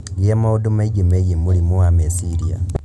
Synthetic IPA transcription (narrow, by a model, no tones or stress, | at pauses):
ɡamaodomaiɡemaiɡemulimuamesiɾia̰